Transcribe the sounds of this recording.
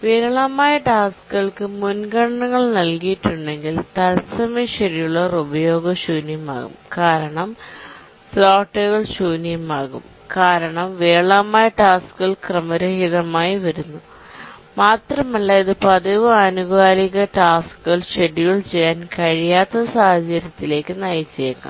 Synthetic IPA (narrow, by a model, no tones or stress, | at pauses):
ʋeːɾɐɭɐmaːjɐʈaːskɨɣɐɭkɨmunɡɐɳɐɳɐŋːɐɭnɐlkijiʈːuɳɖe̞ŋɡilt̪ɐlsɐmiʂeɾijuɭːɐrubɐjo̞ːɡɐɕuːnjɐma̰ːɣṵmkaːɾɐɳɐm | floːʈːɐɣɐɭɕuːnijɐmaːɣṵm | kaːɾɐɳɐmʋeːɭɐmaːjɐʈaːskɨɣɐɭkrɐmɐɾɐhiðɐmaːjiʋɐɾunːu | maːt̪rɐmɐlːɐiðɨpɐðɐʋɨɐnuɣaːliɣɐʈaːskɨɣɐɭʂeɾiɣɐɭt͡ɕejːaːnkɐɻijaːt̪ːɐsaːhɐd͡ʑɐɾjɐt̪ːile̞ːkːɨnɐjit͡ɕːɐjɐŋɡɐ̰